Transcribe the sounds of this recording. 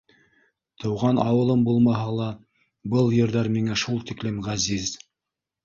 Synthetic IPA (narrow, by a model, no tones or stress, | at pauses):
t̪ʰɤ̆wʁɑnɑwɤ̆lˠɤmbulˠmɑɦɑlˠɑ | bɤlˠjɤ̆ɾðɑɾmiŋæʃulˠt̪iklɘmʁæziz